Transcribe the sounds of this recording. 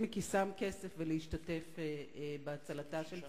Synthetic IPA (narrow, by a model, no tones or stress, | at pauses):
mikisamkesefveleiʃtate̞feebeat͡salataʃel